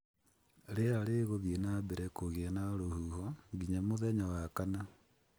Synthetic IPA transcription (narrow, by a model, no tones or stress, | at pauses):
ɾeaɾeɣoðienabɛɾɛkoɣeɛnaɾohuhɔŋɡiɲamoðɛɲawakana